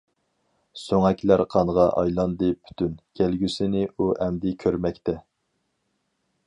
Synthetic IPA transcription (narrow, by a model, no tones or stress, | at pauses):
søŋɛkʲlæɾqʰɑnʁɑʔɑ̰jlˠɑnd̪ɨpʰy̥t̪ʰynkʲʰælɡʲysɪnɪuʔɛmd̪ɪkʲʰøɾmɛkʲt̪ʰɛ